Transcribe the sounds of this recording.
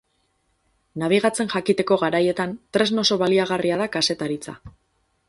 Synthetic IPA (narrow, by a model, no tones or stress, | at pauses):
naβ̞iɣ̞at͡se̞nʝakit̪e̞ko̞ɣaɾaje̞t̪ant̪ɾe̞zno̞so̞βaliaɣariaðakase̞t̪aɾit͡sa̰